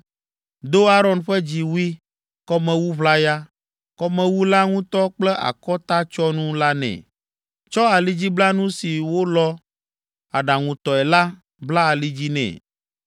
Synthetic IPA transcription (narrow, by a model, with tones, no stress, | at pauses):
d̪o˦a˦ɾɔ˨nɸɛ˦d͡ʑi˨wu˦i˦ | kɔ˦mɛ̃˨wu˦βla˦ja˦ | kɔ˦mɛ̃˨wu˦la˦ŋũ˦t̪ɔ˦k͡plɛ˦ʔa̰˨kɔ˦t̪a˦t͡ʃɔ˦nũ˦la˦nɛ̰̃˨ | t͡ʃɔ˦a˨li˦d͡ʑi˦bla˦nũ˦si˨wo˦lɔ˦ | a˨ɖa˨ŋũ˨t̪ɔ˨ɛ˨la˦ | bla˦a˨li˦d͡ʑi˦nɛ̰̃˨